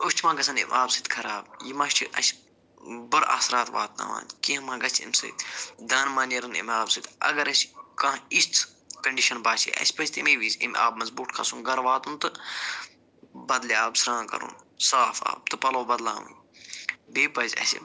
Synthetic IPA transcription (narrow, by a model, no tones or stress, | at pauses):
uʃʲt͡ʃʰimãːɡɐsʰɐnḭmʔaːbsɨt̪kʰɐɾaːb̚jimɐːʃt͡ʃʰiʔɐ̰s | bɨɾa̰ːsɾaːt̪ʋa̰ːt̪na̰ʋa̰ːnkimãːɡɐt͡ʃʰḭmʲsɐ̰t̪d̪aːnmaːnɐɾɨnḭmʲaːbsɨt̪ɐ̰ɡɐɾɐskãːist͡s̪ʰ | kɐɳɖiʃɐnbaːt͡ʃʰḭɐ̰sʲpɐzʲt̪imiːʋizḭmʲa̰ːb̚mɐzbuːʈkʰɐ̰sũnɡɐɾʋaːt̪unt̪ɨ | bɐd̪liaːbsɾãːkɐ̰ɾṵːnsaːfa̰ːb̚t̪ɨpɐloːbɐd̪la̰ːʋṵn | beːpɐzʲɐ̰sḭ